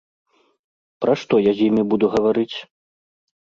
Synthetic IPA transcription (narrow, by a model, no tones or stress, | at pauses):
pɾɐʂt̪ɔjazʲjimʲibud̪uɣɐvaɾɨt͡sʲ